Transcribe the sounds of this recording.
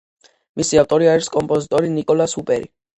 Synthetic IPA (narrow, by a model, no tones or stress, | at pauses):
misiavt̪ʼɔɾiaɛɾskʼɔmpʼɔzit̪ʼɔɾinikʼɔlasupʼɛɾḭ